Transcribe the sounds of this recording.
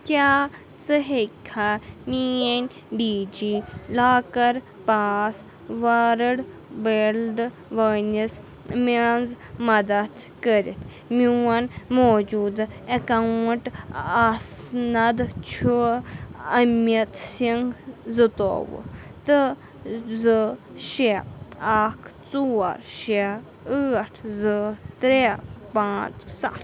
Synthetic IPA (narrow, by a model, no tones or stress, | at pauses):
kʲaː | t͡sɨɦekʰamienʲ | ɖiːd͡ʒilaːkɐɾ | paːs | ʋaɾəɽ | belɖ | ʋəːnis | manz | mɐd̪ɐt̪ | kəɾḭt̪ʰ | miwɐnmoːd͡ʒuːd̪ɐkawɳʈasnɐd̪t͡ʃʰu | ɐmjɐt̪siŋɡzɨt̪o̰ːʋɨ̰t̪ɨ | zɨ | ʃeaːkʰt͡sua̰ɾʃe | ɨːɐʈʰzɨt̪ɾepãːt͡ʃsa̰t̪